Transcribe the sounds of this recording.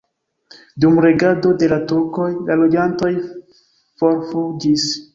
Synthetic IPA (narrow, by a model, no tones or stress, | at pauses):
dumɾe̞ɡado̞de̞latuɾko̞jlalo̞d͡ʒanto̞j | fo̞ɾfud͡ʒis